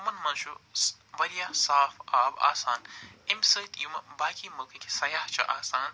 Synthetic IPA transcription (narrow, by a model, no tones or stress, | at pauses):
mɐnmɐnʃu | ʋɐɾijasaːfaːba̰ːsaːnimsəːt̪ʰjumɐbaːkimɐkʰɨkʲʰi̥sɐjaːht͡ʃʰɐ̰ʔaːsaːn